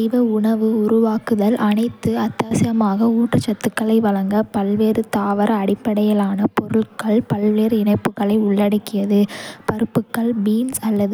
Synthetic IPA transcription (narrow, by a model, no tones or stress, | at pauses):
ɪʋɐʊɳɐʋɯʊɾʊʋaːkɯðɐlʔɐnɐɪt̪ːɯɐt̪ːaːsɪjɐmaːɣɐuːʈrɯt͡ʃɐt̪ːɯkːɐɭɐɪʋɐɭɐŋɡɐpɐlʋeːɾɯt̪aːʋɐɾɐːɽɪpːɐɽɐjɐlaːnɐpɔɾɯɭkɐɭpɐlʋeːɾɪɳɐɪpːɯkːɐɭɐɪʊɭːɐɽɐɪkːɪjɐðɯpɐɾɯpːɯkːɐɭbiːnsɐlːɐð